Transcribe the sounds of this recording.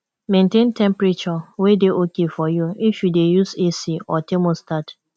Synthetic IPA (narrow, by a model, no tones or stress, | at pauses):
mẽntẽntɛ̃mpɾet͡ʃɔwedeʔokefɔjuifjudejusesiɔtemostat